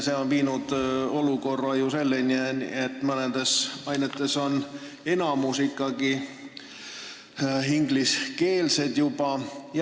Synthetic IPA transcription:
se̞o̞npiːnud̪̥o̞luko̞rːɑjuse̞lːenʲienḭet̪ːˑmɤned̪e̞sɑjnet̪ːˑe̞so̞n | e̞nɑmusikˑːɑɡi | ɦiŋɡliske̞ːlse̞d̪̥jub̥ɑj

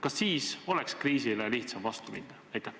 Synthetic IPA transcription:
kɑsːiːso̞lɛkskriːsileliht̪sɑmvɑst̪uminːɑæjt̪e

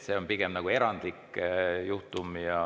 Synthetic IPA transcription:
se̞onpiɡ̥emnɑɡ̥ue̞ɾɑnd̪̥likːjuht̪umjɑ

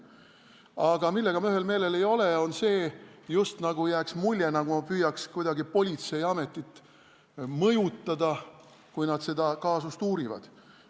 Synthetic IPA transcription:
ɑɡ̥ɑmilːe̞ɡ̥ɑmyɦe̞lme̞ːle̞le̞jo̞le̞o̞nse̞ːjust̪nɑɡ̥ujæːksmulʲjenɑɡ̥umɑpyːjɑkskujd̪ɑɡipo̞lʲit̪se̞jɑme̞t̪ːˑit̪ːˑ | mɤjut̪ˑːɑd̪ɑ | kujnɑd̪̥se̞d̪ɑkɑːsust̪uːɾivɑ̰d̪̥

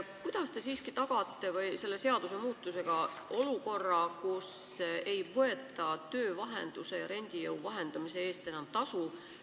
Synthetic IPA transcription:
kujd̪̥ɑst̪e̞siːskit̪ɑɡ̥ɑt̪ˑːe̞vɤjse̞lːe̞se̞ɑd̪̥use̞muːt̪ːˑuse̞ɡ̥ɑ | ʔo̞luko̞rːɑkuse̞jvɤe̞t̪ːˑɑt̪ø̞ːvɑɦe̞̰nd̪̥use̞jɑɾe̞nʲd̪̥ijɤwvɑɦe̞nd̪̥ɑmise̞e̞ːst̪e̞nɑmt̪ɑsu

